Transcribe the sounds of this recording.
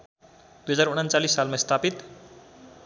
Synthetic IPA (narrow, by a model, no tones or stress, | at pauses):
d̪̥ujɦʌd͡zaɾuɽ̃ant͡salisːalmast̪ʰapit̪